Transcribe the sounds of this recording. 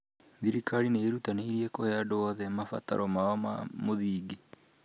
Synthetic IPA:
ðiɾikaɾineːɾutaneiɾiekoheadɔːðɛmafa̰ta̰ɾɔmaɔma̰moðiːɡe

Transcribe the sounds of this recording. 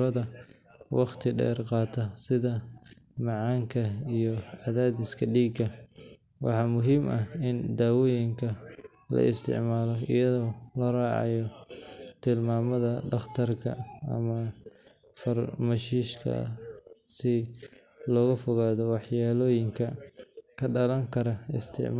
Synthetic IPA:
ɾɐðɐ | wɑχt̪ʰɪɖɛ̰ːrqɑːt̪ʰɐsɪðɐ | mɑʕɑːŋkʰɐijɔɐðaːdɪskʰɐɖiːɡɐ | wʔɑ̰ħɑːmʊɦiːmʔɐɪnd̪aːwɔːjɪŋkʰɐ | lɐ̰ʔɪ̰st̪ʰɪ̰ʕmaːlɔɪ̰jɐðɔːlɐraːʕɑ̰jɔt̪ʰɪlmaːmɐðɐɖɑχt̪ʰɐrkʰɐ̰ɐ̰mɐ | fɐrmɐʃiːʃkʰɐ̰ | sɪ | lɔːɣɐfɔɣaːðɔwɑħjaːlɔːjɪŋkʰɐkʰɐɖɐlɐŋkʰɐɾɐɪst̪ʰɪ̰ʕm

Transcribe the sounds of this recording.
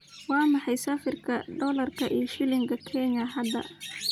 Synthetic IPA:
wɑːmɑħɑjsɐfɪrkʰɐɖɔlɐrkʰɐʔiːʃɪlɪŋkʰɐkʰɛɲɐɦɐd̪ɐ̰

